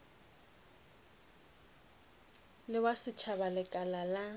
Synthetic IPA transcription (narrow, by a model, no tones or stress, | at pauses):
lɪwasɪt͡ʃʰaβalɪkʼalala